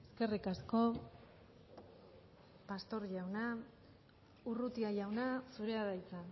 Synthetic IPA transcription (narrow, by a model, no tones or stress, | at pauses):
eske̞rikasko̞ | past̪o̞ɾʎawna | urut̪iaʎawnasuɾeaðajt͡sa